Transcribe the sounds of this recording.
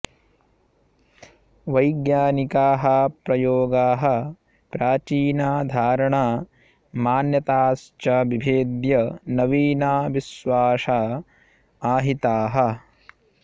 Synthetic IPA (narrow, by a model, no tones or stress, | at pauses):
ʋɐjɡjaːnikaːɦɐpɾɐjoːɡaːɦɐ̆ | pɾaːt͡ʃiːnaːd̪ʱaːɾɐɳaː | maːnjɐt̪aːst͡ʃɐʋibʱeːd̪jɐnɐʋiːnaːʋisʋaːʂaː | aːɦit̪aːɦɐ